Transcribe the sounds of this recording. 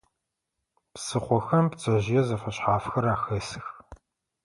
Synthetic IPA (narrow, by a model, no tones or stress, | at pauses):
psɨχʷɔxɐmpt͡sʼɐʑɪjɛzɐfɐɕħaːfxɐɾaːxɐsɨx